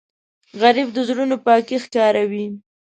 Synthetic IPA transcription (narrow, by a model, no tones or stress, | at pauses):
ɣaɾibd̪əzɾunopɑkexkɑɾawi